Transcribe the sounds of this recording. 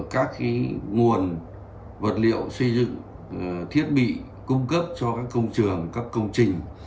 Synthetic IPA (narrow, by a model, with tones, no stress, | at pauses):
kaː˦˥k̚ka˨˦ŋu˨˩ən | və˨˩t̚lḭ˧˨əwsə˧jzɨ̰˧˨ŋ | t̪ʰi˦˥ət̚ɓḭ˧˨ | kʊ˧ŋ͡mkə˦˥p̚t͡ɕɔ˧kaː˦˥kːə˧wŋ͡mt͡ɕɨ˨˩əŋkaː˦˥kːə˧wŋ͡mt͡ɕï˨˩ŋ̟